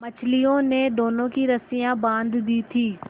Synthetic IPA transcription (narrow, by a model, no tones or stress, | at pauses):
mət͡ʃʰlijõned̪oːnõkiɾəsijãbãːnd̪d̪iːt̪ʰiː